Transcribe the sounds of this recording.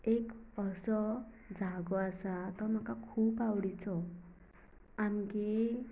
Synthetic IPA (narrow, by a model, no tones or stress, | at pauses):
ekəsɔ | d͡zʱaɡɔasat̪ɔɾm̤akakʰuːpawɽit͡sɔ | amɡe